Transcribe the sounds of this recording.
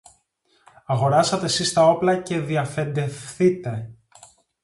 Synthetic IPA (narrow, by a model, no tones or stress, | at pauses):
ɐɣo̞ɾɐsɐt̪e̞sist̪ɐo̞plɐce̞ðiɐfe̞nd̪e̞fθit̪e̞